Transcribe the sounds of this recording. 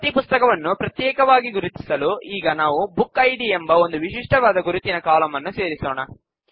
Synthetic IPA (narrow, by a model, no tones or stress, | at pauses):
ɐt̪ipust̪ɐkɐʋɐnːupɾɐt̪jɛːkɐʋaːɡiɡuɾut̪i̥sɐluiːɡɐnaːʋubukːɐjɖiembɐo̞nd̪uʋiʂiʂʈɐʋaːd̪ɐɡuɾut̪ːinɐkaːlɐmɐnːuse̞ːɾisoːnɐ